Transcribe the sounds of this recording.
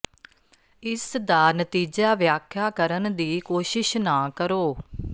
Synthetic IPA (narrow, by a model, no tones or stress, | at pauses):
ɪsd̪aːnət̪iːd͡ʒaːʋjaːkʰːjaːkəɾənd̪iːkoːʃɪʃnãːkəɾoː